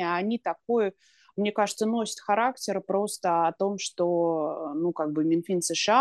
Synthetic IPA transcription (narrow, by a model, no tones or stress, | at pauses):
ɐnʲit̪ɐk̚ojʊ | mnʲe̞kaʐɨt̪səno̞sʲə̥t̪xɐɾaktʲɪɾəpɾo̞st̪əɐt̪o̞mʂt̪o̞nukaɡ̚bɨmʲɪnfʲinsɨʂɨa